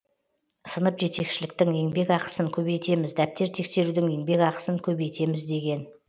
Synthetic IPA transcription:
sənəpʒe̞t̪e̞kʃɪlɪk̚t̪ɪŋe̞ŋbe̞kɑqə̥səŋkʲʰɵbe̞jt̪e̞mɪzd̪æp̚t̪e̞ɾt̪ʰe̞kse̞ɾud̪ɪŋe̞ŋbe̞kɑqə̥səŋkʲʰɵbejt̪ʰe̞mɪzd̪e̞ɡʲe̞n

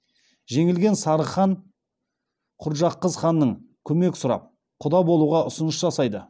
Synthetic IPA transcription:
ʒe̞ŋɪlɡʲe̞nsɑɾəχɑɴ | qʰʊɾʒɑqːəzχɑnːəɴkʲʰɵme̞kʲɪ̥sʊɾɑ̰p̚ | qʰʊd̪ɑbo̞lˠuʁɑʊsʊnəsʒɑsɑjd̪ə

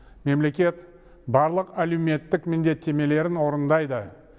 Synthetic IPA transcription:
me̞mle̞kʲe̞t̪ | bɑɾlˠəqælewme̞t̪ːɪkmɪnd̪e̞t̪ʰːe̞me̞le̞ɾɪnwo̞ɾənd̪ɑjd̪ə

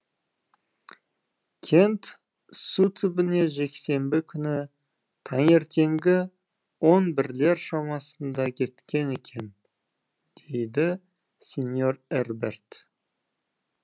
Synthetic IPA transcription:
kʲʰe̞nt̪ | sut̪ʰɪbɪne̞ʒe̞kse̞mbɪkʲʰʏnɪ | t̪ʰɑŋe̞ɾt̪e̞ŋɡʲɪ | wo̞nbɪɾle̞ɾʃɑmɑsənd̪ɑkʲʰe̞t̪kʲe̞ne̞kʲʰe̞n | d̪̥ejd̪ɪ | sʲenjo̞reɾbe̞ɾt̪

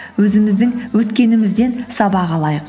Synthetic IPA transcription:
wɵzɪmɪzd̪ɪŋwɵt̪kʲe̞nɪmɪzd̪e̞nsɑbɑʁɑlˠɑjəq

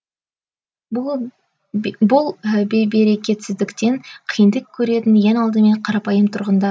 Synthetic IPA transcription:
bʊlˠbejbe̞ɾe̞kʲe̞t̪sɪzd̪ɪkt̪e̞ɴqʰəjənd̪əkʲʰːɵɾe̞t̪ɪnje̞nɑlˠd̪əme̞ɴqʰɑɾɑpɑjəmt̪ʰʊɾʁənd̪ɑ

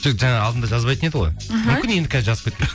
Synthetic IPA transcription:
t͡ʃʰeʒɑɴɑːlˠd̪ənd̪ɑʒɑzbɑjt̪əne̞d̪ɪʁojmʏmmkʲɪnjed̪ɪkʰʲæzɪʒɑzəp̚kʰʲet̪pe

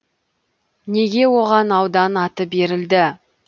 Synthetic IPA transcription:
ne̞ɡʲe̞woʁɑnɑwd̪ɑnɑt̪əbe̞ɾɪld̪ɪ

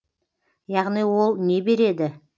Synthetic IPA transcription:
jɑʁnijwo̞lˠne̞be̞ɾe̞d̪ɪ

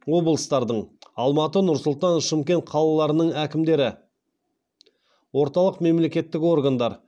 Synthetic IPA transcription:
wo̞bəlˠəst̪ɑɾd̪əɴɑlˠmɑt̪ənʊɾsʊlˠt̪ɑnʃɪmkʲe̞nt̪qʰɑlˠɑlˠɑɾənəɴækʲɪmd̪e̞ɾɪ | wo̞ɾt̪ɑlˠəqme̞mle̞kʲe̞t̪ːɪko̞rɡand̪ɑɾ

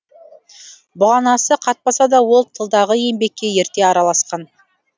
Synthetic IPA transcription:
bʊʁɑnɑsəqʰɑt̪̚pɑsɑd̪ɑwo̞lˠt̪ʰəlˠd̪ɑʁəe̞mbe̞kʲːe̞je̞ɾt̪e̞ɑɾɑlˠɑsqɑn

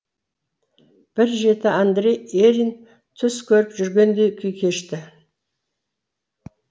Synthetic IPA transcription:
b̥ɪɾʒe̞t̪ɪand̪ɾejeɾijn | t̪ʰʏskʲʰɵɾɪpʒʏɾɡʲe̞nd̪e̞jkʲʰʏjkʲʰe̞ʃt̪ɪ

